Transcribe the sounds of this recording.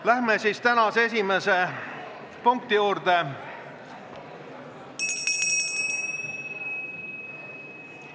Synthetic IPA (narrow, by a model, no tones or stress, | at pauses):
læɦmesiːst̪ænɑsees̬imese̞ | puŋk̚t̪ijuːɾd̪e̞